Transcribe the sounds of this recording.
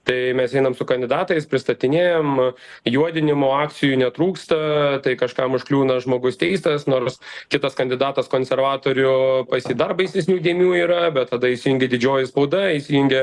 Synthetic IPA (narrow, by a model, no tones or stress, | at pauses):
t̪ɐɪmʲɛsɛɪnɐmsʊkɐnʲd̪ʲɪd̪ɑːt̪ɐɪspʲɾʲɪst̪ɐt̪ʲɪnʲeːjomjuɔd̪ʲɪnʲɪmoːɑːk̪sʲɪjuːnʲɛt̪ɾuːkst̪ɐt̪ɐɪkɐʃkɐmʊʃklʲuːnɐʒmoːɡʊst̪ʲɛɪst̪ɐsnoːɾskʲɪt̪ɐskɐnʲd̪ʲɪd̪ɑːt̪ɐskoːnʲsʲɛrʋɑːt̪oːɾʲʊpɐsʲiːd̪ɐrpɐɪsʲnʲɛsʲnʲuːd̪ʲiɛmʲuːiːɾɐbʲɛt̪t̪ɐd̪ɐɪsʲɪjʊŋʲɡʲɛd̪ʲɪd͡ʒʲoːjɪspɐʊd̪ɐɪsʲɪjʊŋʲɡʲɛ